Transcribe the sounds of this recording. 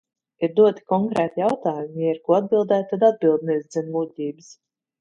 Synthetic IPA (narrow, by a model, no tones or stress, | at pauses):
iɾd̪uɔt̪i̥kɔŋkɾɛːt̪ijawt̪aːjumjɛɛɾkuɔad̪̚bilˠd̪æːt̪̚t̪ːad̪ad̪̚bilˠd̪̚nɛsd̪zɛnvuːt̪ʲiːbɨs